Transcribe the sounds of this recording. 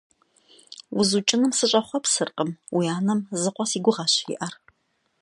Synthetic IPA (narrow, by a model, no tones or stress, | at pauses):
ʊzut͡ʃʼɪnɨmsɨɕʼɐχʷɔpsɨrqʼəmwiaːnɐmzɨqʷɔsiːɡʷʊʁɑɕɪ̰ʔɐr